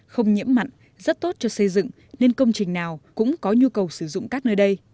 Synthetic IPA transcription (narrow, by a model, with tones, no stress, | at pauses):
xə˧wŋ͡mɲḭ˧˥əmːa̰˧˨jŋ | zə˦˥t̚t̪o˦˥t̚t͡ɕɔ˧sə˧jzɨ̰˧˨ŋ | ne˧nkə˧wŋ͡mt͡ɕï˨˩ŋ̟naː˨˩wkʊ̰˧˥ŋ͡mkɔ˨˦ɲu˧kə˨˩wsɨ˧˩zʊ̰˧˨ŋ͡mkaː˦˥k̚nəː˧jɗə˧j